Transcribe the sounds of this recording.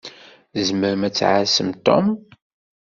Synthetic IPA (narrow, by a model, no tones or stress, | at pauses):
zməɾmæt͡sːʕasəmt̪o̰m